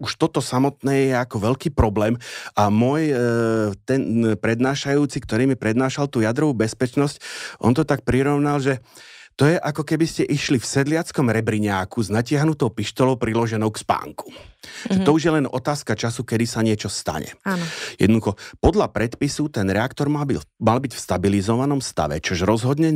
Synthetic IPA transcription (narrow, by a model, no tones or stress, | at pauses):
uʃt̪ɔt̪ɔsamɔt̪nɛːjɛakɔʋɛʎkiːpɾɔblɛːmʔamʊɔj | t̪ɛnpɾɛd̪naːʃajuːt͡sikt̪ɔɾiːmipɾɛd̪naːʃalt̪uːjad̪ɾɔʋuːbɛspɛt͡ʃnɔscʔɔ̰nt̪ɔt̪ak̚pɾiɾɔʋnalʒɛt̪ɔjɛʔakɔkɛbiscɛʔiʃlifsɛd̪lɪat͡skɔmɾɛbɾiɲaːkuznacɪaɦnut̪ɔʊpiʃt̪ɔlɔʊpɾilɔʒɛnɔʊkspa̰ːŋku̥ʒ̥ɛt̪ɔuʒjɛlɛnɔt̪aːskat͡ʃasukɛd̪isaɲɪɛt͡ʃɔst̪a̰ɲɛ̰anjɛd̪nd̪uxɔpɔd̪ʎapɾɛt̪pisut̪ɛnɾɛakt̪ɔɾmamalbicfst̪abilizɔʋanɔmst̪a̰ʋɛ̰t͡ʃɔʒɾɔzɦɔd̪ɲɛ